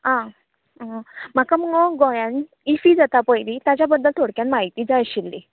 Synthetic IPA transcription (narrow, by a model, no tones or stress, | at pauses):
ɦã | m̤akaməŋɔɡɔjan | ifiːd͡zat̪apəjlit̪jat͡ɕjabəd̪ːəlt̪ʰoɽkjanmaɦit̪iːd͡zaɕilːi